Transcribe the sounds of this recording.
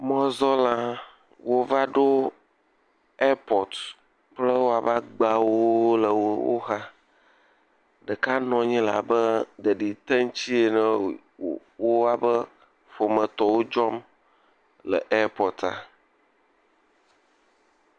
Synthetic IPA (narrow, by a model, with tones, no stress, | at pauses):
mɔ̃˦zɔ˦lã˦ | wo˦va˦ɖo˦ | ɛ˦pɔ˨t | plə˦wo˦a˨va˦ɡ͡ba˨wo˦lə˨wo˦wo̰˦ɦa˦ | ɖə˨ka˦nɔ̃˨ɲĩ˦la̰˨bə˦ɖə˨ɖi˨t̪ɛ˦ŋ˦t͡ɕi˦e˨nə̃˦ | wo˦a˨bə˦ | fo˨mə̃˨t̪ɔ˨wo˦d͡ʒɔ˦m | lə̰˨ʔe˦pɔ˨t̪a̰˨